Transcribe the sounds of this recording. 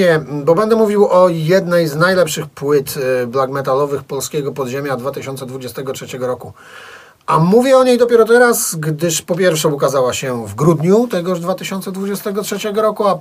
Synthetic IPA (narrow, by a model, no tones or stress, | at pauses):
ɛbɔbɛnd̪ɛmuvʲiwɔjɛd̪nɛjznajlɛpʂɘxpwɘt̪blaɡmɛt̪alɔvɘxpɔlskʲɛɡɔpɔd̪ʑemʲjad̪vat̪ɘɕɔnsɛd̪vud͡ʑɛst̪ɛɡɔtʂɛt͡ɕɛɡɔɾɔku | amuvʲjɛɔɲejd̪ɔpʲɛɾɔt̪ɛɾasɡd̪ɘʂpɔpʲjɛɾfʂɛukazawaɕɛvɡɾud̪ɲut̪ɛɡɔʐd̪vat̪ɘɕɔnt̪sɛd̪vud͡ʑɛst̪ɛɡɔtʂɛt͡ɕɛɡɔɾɔkua